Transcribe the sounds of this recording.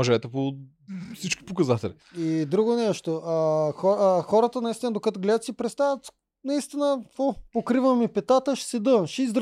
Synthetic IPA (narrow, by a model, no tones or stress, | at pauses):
oʒɛt̪ɛpo | fsit͡ʃki̥pokɐzat̪ɛli | id̪ɾuɡonɛʃt̪oʔɐxɔxɔɾət̪ənɐist̪ʲinəd̪okɐt̪oɡlɛd̪ət̪sipɾɛt̪st̪avət̪ | nɐist̪inəkvopokɾivəmipɛt̪at̪əʃsɛd̪ɤvʃizd̪ɾ